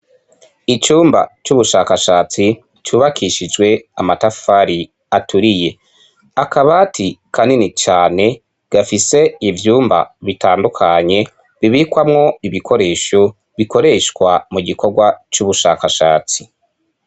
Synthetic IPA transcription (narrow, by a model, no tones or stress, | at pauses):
it͡ʃuːmba̰t͡ʃuβuʃaːkaʃaːt͡si | t͡ʃuːβakʰiʃid͡ʒɡwe̞amatafaɾi | atʰuɾije̞ | akaβaːtʰikaninit͡ʃaːne̞ | ɡ̥afise̞ivjuːmba̰βitaːndukʰaɲe̞ | βiβikwamŋo̞iβikʰo̞ɾe̞ːʃo | βiko̞ɾe̞ʃkwamuɟiko̞ɾɡwat͡ʃuβuʃaːkaʃaːt͡si